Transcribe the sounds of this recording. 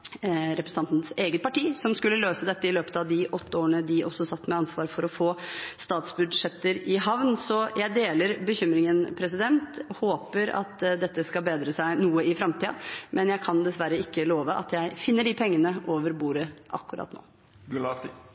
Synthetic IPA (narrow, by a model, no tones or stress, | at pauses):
ɾɛpɾsn̩ɑnt̪n̩seːɡət̪̚pɑʈiːsɔmskʉlːəløːsəd̪ɛt̪ːəɪløːpə̥t̪ɑʋd̪ɪʔɔt̪ʰːəoːɾəɳəd̪ɪʔɔsːɔsɑt̪ːmɛɑnsʋɑːɾfɔɾɔfoːst̪ɑːt̪sbʉd̪ʂɛt̪ːəɾɪɦɑʋnsɔjæɪd̪eːləɾbəçʏmɾɪŋənpʰɾɛsɪd̪ɛnt̪hoːpəɾɑ̰t̪d̪ɛt̪ːəskɑlbeːd̪ɾəsæɪnuːəɪfɾɑmt̪iːɑ̰mʔɛnjæɪkʰɑnd̪ɛsʋæɾəɪkːəloːʋəʔɑ̰t̪jæɪfɪnːəɖɪpʰɛŋːənəʔoːʋəɾbuːɾəʔɑ̰kːʉɾɑ̰t̪no̰ː